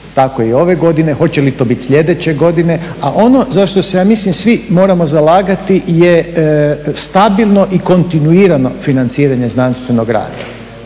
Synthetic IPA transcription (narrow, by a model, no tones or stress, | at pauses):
t̪akojio̞ʋe̞ɡo̞d̪ine̞xo̞t͡ɕe̞lit̪o̞ːbit̪sʎʲe̞d̪e̞t͡ɕe̞ɡo̞d̪ine̞aʔo̞no̞zaʃt̪o̞sejaːmislimsʋimo̞ːɾamo̞zalaːɡat̪ije | st̪abilˠno̞ʔiko̞nt̪inuiːɾano̞finant̪siːɾaɲe̞znanst̪ʋe̞no̞ɡɾa̰ːd̪a̰